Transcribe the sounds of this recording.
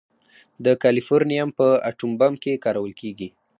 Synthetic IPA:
d̪əkalifoɾnijampəa̰ʈumbamkekɑɾawəlkeɡi

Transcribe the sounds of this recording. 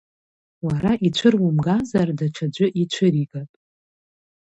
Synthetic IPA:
waɾaʔit͡ʃʷʰɨrwʊmɡazardaʈ͡ʂʰad͡ʒʷʊʔit͡ʃʷʰɨɾiɡʼapʼ

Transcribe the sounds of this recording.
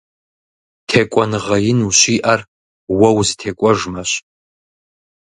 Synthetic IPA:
tʰekʷʼɔnɨʁɐjɪnuɕiːʔar | wɐwztʰekʷʼɔʐmaɕ

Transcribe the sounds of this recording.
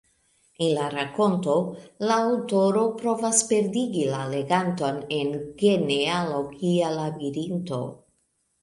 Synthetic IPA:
enlaɾako̞nto̞laːwto̞ɾo̞pɾo̞vaspe̞ɾdiɡilale̞ɡanto̞ne̞nɡe̞nealo̞ɡialabiɾinto̞̰

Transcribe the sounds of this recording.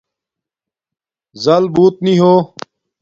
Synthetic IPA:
zɐlbuːt̪̚nĩɦoː

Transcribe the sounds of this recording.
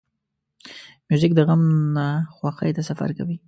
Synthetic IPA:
mjuzɪk̚d̪əɣamnaxwaxa̰jt̪asafa̰ɾka̰wi

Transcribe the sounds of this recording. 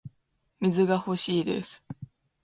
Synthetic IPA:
mʲizɨɡaho̞ɕiːd̪e̞̰sɨ̥

